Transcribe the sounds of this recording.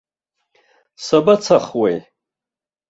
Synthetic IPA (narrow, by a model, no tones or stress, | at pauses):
sabat͡sʰaχwej